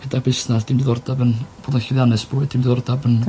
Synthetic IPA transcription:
hədabɪsnasd̥iːmdiðɔrdabənb̥oːdaɪðjanɛsb̥uːɨd̥iːmdiðɔrdabən

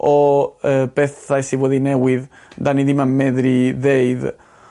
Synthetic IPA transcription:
ɔəbɛθajsiwɛðinɛwɪð | d̪aniðimamɛðɾiðejð

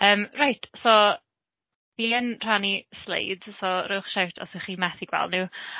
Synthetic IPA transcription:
əːmrajtʰsɔ | v̥iːənr̥anislḛjd̥sɔɾoːχʃawtʰɔ̰səχiːmɛθiɡ̥wɛ̰lˠdnɪw

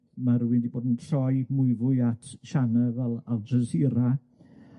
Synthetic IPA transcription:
maɾuwɪndiboːdəntʰrɔjmʊɨvʊɨatʰʃanəvɛlˠalˠdəsɪɾa

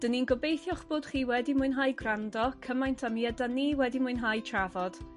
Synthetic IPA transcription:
d̥əninɡɔbejθjɔχb̥oːd̥χiːwɛdimʊɨnɦajɡrandɔkʰəmajntʰamiɛdaniːwɛdimʊɨnɦajtʰravɔd̥

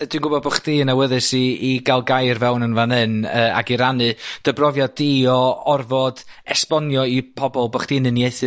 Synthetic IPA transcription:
d̥winɡʊbɔðbəχd̥iːnawəðɨsiːɡalˠɡajrvɛwnənvanɨnəːa̰ɡiɾanɨd̥əbrɔvjadiɔɔrvɔd̥ɛspɔnjɔipʰɔbɔlˠbəχd̥iːnənjejθɨ

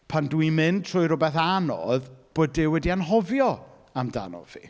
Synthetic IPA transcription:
pʰandwimɪnd̚tʰrʊɨɾʊbɛθanɔ̰ðb̥oːdɪwɛdianɦɔvjɔ | amda̰nɔ̰v̥ḭ

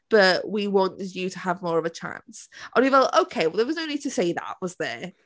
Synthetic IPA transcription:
b̥ʌʔwiwɒ̃nətʰəːvmɔːɹəvət͡ʃʰã̰nsʔə̃njəvəloʊkʰeɪwɛlˠðəwɒznoʊniːd̚tʰəseɪðə̰ʔwɒzðə

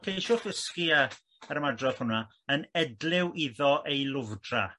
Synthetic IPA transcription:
kʰejʃʊθəskia | ɛɾəmadrɔθhʊna | ənɛdlˠɪwʔiðɔʔejlˠʊvdra̰

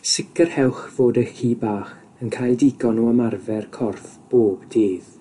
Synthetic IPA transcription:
sɪkərhɛwˠχv̥oːdəxiːbaːχ | ənkʰaːjlˠdɪɡɔnuəmarvɛrkʰɔrθb̥oːbdeːð

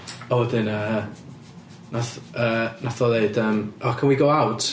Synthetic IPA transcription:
ɔwɛdɪnə | naθəːnaθɔðeɨdəmɔkʰənwiɡowawtʰ

